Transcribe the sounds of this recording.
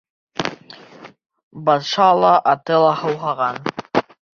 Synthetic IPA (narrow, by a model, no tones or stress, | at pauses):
bɑnʃɑlˠɑʔɑt̪ɤlˠɑhɤ̆wɦɑʁɑn